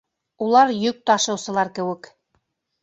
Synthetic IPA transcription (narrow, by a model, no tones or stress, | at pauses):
ulˠɑɾjɵk̚t̪ɑʃɤ̆wsɤ̆lˠɑɾkɘ̆wɘ̆k